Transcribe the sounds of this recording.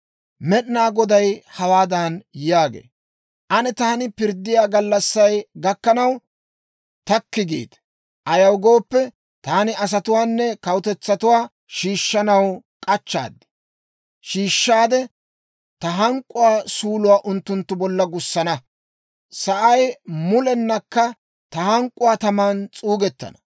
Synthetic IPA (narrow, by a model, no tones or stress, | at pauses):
mɛɗɪnaːɡɔd̪ɐjhɐwaːd̪ɐnjaːɡḛː | ʔɐnɛt̪aːnɪpɪɾd̪ːɪjaːɡɐlːɐsːɐjɡɐkːɐnɐw | t̪ɐkːɪɡḭːt̪ | ʔɐjɐwɡo̞ːpːɛ | t̪aːnɪɐs̬ɐt̪ʊwaːnːɛkɐwʊt̪ɛt͡sːɐt̪ʊwaː | ʃiːʃːɐnɐwkʼɐt͡ʃːa̰ːd̪ːɪ̥ | ʃiːʃːaːd̪ɛ | t̪ɐɦɐŋkʼːʊwaːsuːlʊwaːʔʊnt̪ːʊnt̪ːʊbɔlːɐɡʊsːɐnɐ | sɐʔɐjmʊlɛnːɐkːɐ | t̪ɐhɐŋkʼːʊwaːt̪ɐmaːnt͡sʼuːɡɛt̪ːɐ̰nɐ̥